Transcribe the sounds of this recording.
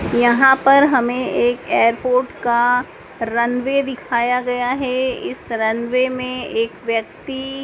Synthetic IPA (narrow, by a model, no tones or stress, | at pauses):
jɐɦãpɐɾɦɐmẽʔeːkeːəɾpoːɾʈka | ɾɐnʋed̪ɪkʰaːjaɡɐjaɦɛɪsɾɐnʋemẽeːkʋjɐk̚t̪i